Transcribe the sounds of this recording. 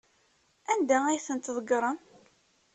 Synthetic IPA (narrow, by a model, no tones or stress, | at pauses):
ænd̪ææjθənt̪ðˤəɡɾˤən